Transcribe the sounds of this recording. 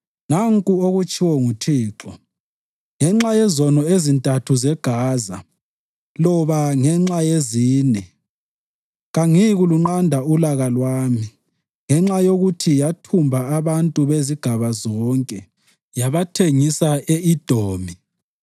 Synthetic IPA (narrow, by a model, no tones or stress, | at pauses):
naŋkʼuoɣut͡ʃʼʰiwɔŋutʰiːǁɔ | ŋɛŋ͡ǁajɛzɔnɔezintʼatʰuzɛɡ̥ʱaːza | lɔβaŋɛŋ͡ǁajeziːnɛ | ɣaŋiɣuluŋ͡ǃandʱaulaɣalwaːmi | ŋɛŋ͡ǁajoɣutʰijatʰumbʱaːβantʼuβeziɡ̥ʱaβazɔːŋkʼɛ | jaβatʰeŋisaeid̥ʱoːmi